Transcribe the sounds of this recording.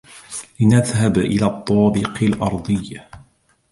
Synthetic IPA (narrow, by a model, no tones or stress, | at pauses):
lɪnaðɦabʔɪ̰laːt̪ˤːɑːbɪqɪlʔɑɾˤd̪ˤɨjːa